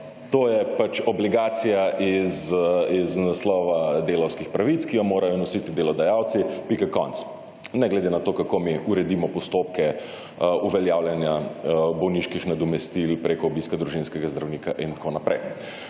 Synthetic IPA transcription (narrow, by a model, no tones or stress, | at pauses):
t̪oːjɛpat͡ʃɔbliɡaːt̪sijaʔiziznaslɔːʋad̪eːlɐwskixpɾaʋit̪skijɔmoːɾajɔnɔsit̪id̪elɔd̪ajawt̪sipikakɔ̰nt̪s | nɛɡlɛd̪enat̪oːkakomiuɾɛd̪iːmɔpɔst̪oːpkɛ | uʋɛljaːwljɛnjabɔwniʃkixnad̪ɔmɛst̪ilpɾeːkɔːbiːskad̪ɾuʒinskɛɡazd̪ɾawnikaʔint̪kʰonapɾɛj